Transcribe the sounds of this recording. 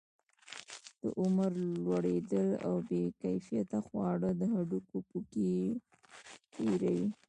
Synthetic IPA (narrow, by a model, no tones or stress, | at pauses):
d̪̥ə̰ʔʊməɾlwaɽed̪əla̰wbekajfijat̪axwɑɽəd̪əɦaɖukopuke | peɾawi